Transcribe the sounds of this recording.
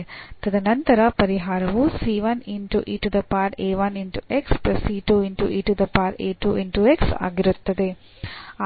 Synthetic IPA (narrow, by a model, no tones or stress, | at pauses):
t̪ɐd̪ɐnɐnt̪ɐɾɐpɐɾiɦaːɾɐʋusiːʋɐniɳʈuʔiːʈud̪ɐpaːɾeːʋɐniɳʈuʔekspɾɐsiːʈuːiɳʈṵʔiːʈud̪ɐpaːɾḛːʈuːʔiɳʈueksa̰ːɡiɾut̪ːɐd̪e